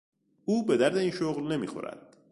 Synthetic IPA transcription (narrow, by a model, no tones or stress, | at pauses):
ʔuːbe̞d̪æɾd̪e̞iːnʃoɣlne̞mḭːxo̞̰ɾæ̰d̪̥̚